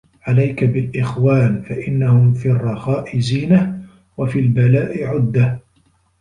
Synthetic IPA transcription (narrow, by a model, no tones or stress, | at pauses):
ʕalajkabɪlʔɪxwaːnfaʔɪnːahʊmfiːɑrˤːɑxɑːʔɪziːnah | wafiːlbalaːʔɪʕʊd̪ːah